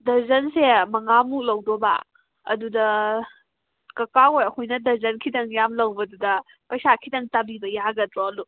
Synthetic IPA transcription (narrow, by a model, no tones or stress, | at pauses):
dɐɾzɐnsemɐŋamuk̚lɐwdoba̰ | ɐ̰dudɐ | kɐkaojɐkʰojnɐdɐɾzɐnkʰidɐŋjamlɐwbɐdudɐ | pɐjsakʰidɐŋtɐbibɐjaɡɐdɾoɐlu